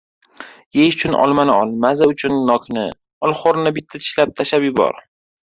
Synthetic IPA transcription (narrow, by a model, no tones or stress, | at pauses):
jejʊt͡ʃʰʊnʔɒ̰lˠmanɪɒlˠmazaʊt͡ʃʰʊnːɒkʰnɪ | ɒlˠχoɾnɪbɪt̪ʰːat̪ʰɪ̥ʃlap̚t̪ʰaʃapjʊbɒ̰ɾ